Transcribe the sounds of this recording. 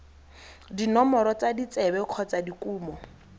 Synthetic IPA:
dinɔmɔɾɔt͡sadit͡sɛbɛq͡χʰɔt͡sadikuːmɔ

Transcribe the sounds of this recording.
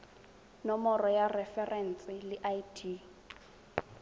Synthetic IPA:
nɔmɔrɔjarɛfɛrʔɛn̩t͡sʼɪlɪʔajtʰi

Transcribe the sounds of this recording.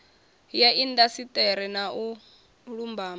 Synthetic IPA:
jaʔindasitʼɛɾɛnau | ɺumbaːm

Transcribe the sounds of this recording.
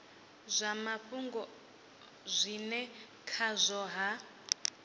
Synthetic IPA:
zʷamaɸuŋɡɔ | zʷinɛ | kʰazʷɔɦa

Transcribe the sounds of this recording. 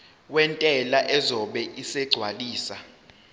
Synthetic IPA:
wɛntʼɛlaʔɛzɔɓɛʔisɛɡ͡ǀʱwaliːsa

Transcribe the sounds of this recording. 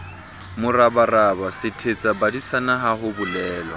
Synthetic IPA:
mʊrabarabasɪtʰet͡sʼabadisanaɦaɦʊbʊlɛːlwa̰

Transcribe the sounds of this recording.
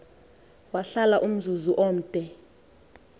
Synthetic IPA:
waɬalaʔum̩zuzuʔoːm̩tʼɛ

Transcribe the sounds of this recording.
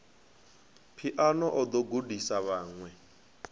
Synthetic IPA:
pʰiʔanɔʔɔd̪ɔɡudisaβaːŋwɛ

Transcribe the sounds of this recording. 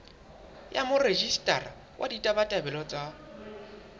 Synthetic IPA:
jamʊred͡ʒistʼara | wʔaditʼabatʼabɛlɔt͡sʼa

